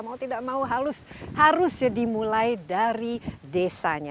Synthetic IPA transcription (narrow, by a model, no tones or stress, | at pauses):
maut̪idaʔmauɦaɾʊshaɾʊsjadimulajdaɾidesa̰ɲa